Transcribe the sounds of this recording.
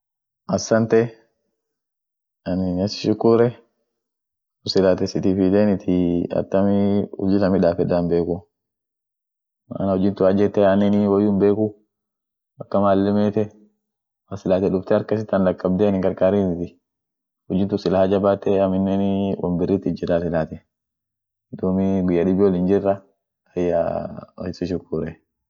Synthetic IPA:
ʔɐsːɐnt̪ɛ | ɐnɪnɐsɪ̥ʃʊkːuɾɛ | ʊsɪlaːt̪ɛsɪt̪ɪfid̪eːnɪt̪ʰɪɐ̰t̪ːɐmɪʊ̰d͡ʒɪlɐmɪᶑaːfɛd̪aːnbeːkʊ | nɐʊd͡ʒɪnt̪ʊɐd͡ʒɛt̪ːɛɐnɪnɪwɐjːuːmbeːkʊ | ɐkːɐmaːlːɛmeːt̪ɛ | mɐsɪlaːt̪ɛᶑʊft̪ɛɐɾkɐs̬ɪt̪ːɐnlɐkːɐb̚d̪eːnɪŋkɐɾkaːɾinɪt̪ɪ | hʊd͡ʒɪnt̪ʊsɪlahad͡ʒɐbaːt̪ːɛɐmɪnːɛnɪwɐ̰mbɪrːɪt̪ːɪd͡ʒɪraːsɪlaːt̪ɛ | d̪umiɡʊjːɐᶑɪbɪwɔlɪnd͡ʒɪrːɐ | ɐjːa̰ɐ̰sɪʃ̬ʊkːuːɾɛ

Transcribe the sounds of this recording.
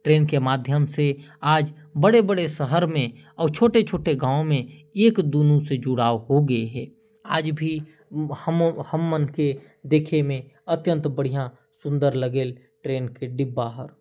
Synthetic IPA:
ʈɾeːnkemaːd̪ʱjəmseaːd͡ʒbəɽebəɽesəɦəɾmẽɔːɾt͡ʃʰoːʈet͡ʃʰoːʈeɡãːõmẽeːkd̪uːnũsed͡ʒʊɽaːoɦoɡəeɦɛː | aːd͡ʒbʱi | həmhəmːənke | d̪eːkʰemẽət̪jə̃nt̪bəɽ̤ijã | sʊ̃nd̪əɾləɡeːl | ʈɾeːnkeɖɪbːaɦəɾ

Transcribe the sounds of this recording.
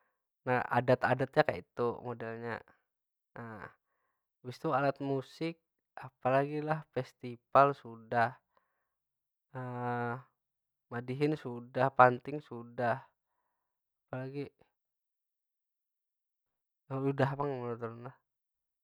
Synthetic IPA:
naa̰dat̪adat̪̚ɲaka̰ʔḭt̪umodɛlɲa̰ | ə | wist̪ualat̪̚musɪk̚ | apalaɡilahfɛst̪ipalsudah | ə | madiɦɪnsudahpant̪ɪŋsudah | apalaɡi | əudaɦpaŋmənut̪uɾnlah

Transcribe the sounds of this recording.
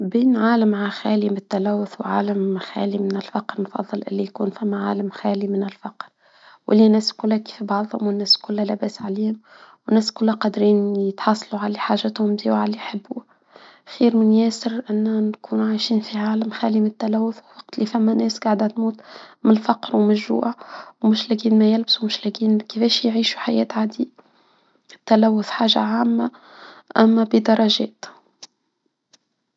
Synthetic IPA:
biːnʕaːlamʕaxæːlimɪt̪ːælæwːʊθwʕa̰ːlæmxæ̰ːlimɪnɪlfɑqɾnfɑ̰ðˤːɨlʔɪ̰lːijkuːnfæmːæʕa̰ːlæmxæːlimɪnɪlfɑqɾ | wʔɪlːinæːskʊlːhæki̥fibɑʕðˤhʊmwɪnːæːskʊlːælæbæːsʕaliːhʊm | wnːæːskʊlːæqɑd̪ɾiːnjət̪ħɑsˤluʕaleːħaːʒːɪt̪hʊmzḭːwʕaliħɪbːu | xiːɾmɪnjæːsɪɾʔɪnːænkuːnʕajʃiːnfiʕaːlæmxæːliːmɪt̪ːælæwːʊθwwɑq̚t̪lifæmːænɛːsɡaʕd̪æt̪muːt̪mɪnfɑqɾwmɪʒṵːʔawmʊʃlæɡiːnmæjɪlbsumʊʃlæɡiːnkəfɛːʃjʕiːʃu̥ħajɛːt̪ʕaːd̪i | t̪ːælæwːʊθħaːʒa̰ʕaːmːa | ʔæmːæbəd̪ɑɾˤɑʒɛːt̪

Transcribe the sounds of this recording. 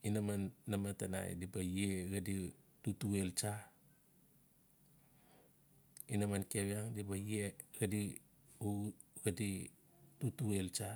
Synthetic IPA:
inamanːamatana̰j̰dibajeɡaditutuelt͡ʃa | inamankaβjaŋdibajeɡadi | u | ɡadi | tutuelt͡ʃa

